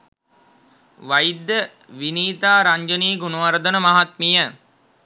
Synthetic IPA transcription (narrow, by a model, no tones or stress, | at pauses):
ʋajid̪ə | ʋiniːt̪aːɾaɲd͡ʒəniːɡunuʋaɾd̪ənəmaɦat̪mijə